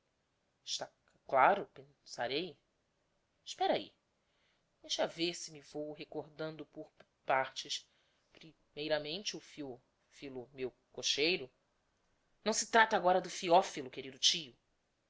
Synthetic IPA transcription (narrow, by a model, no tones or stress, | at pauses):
ʃt̪a | klaɾʊpẽsaɾej | ʃpɛɾɐḭ | d̪̥ejʃaveɾsɪmivowɦekoɾd̪ɐ̃nd̪ʊpʊɾ | paɾt͡ʃɪʃ | pɾi | mejɾɐmẽnt͡ʃɪʊfiɔ | filʊmew | koʃejɾʊ | nɐ̃w̃sɪt̪ɾat̪aːɡɔɾɐd̪ʊfiɔfilʊkeɾid̪ʊt͡ʃijʊ